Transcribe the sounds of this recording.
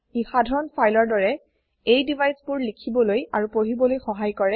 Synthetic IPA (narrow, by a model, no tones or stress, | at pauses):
xixadʱɔɹɔnpʰajlɔɹdɔɹɛ | ejdivʱajspʊɹlikʰibɔlojaɹupoɦibɔlojxɔɦajkɔɹɛ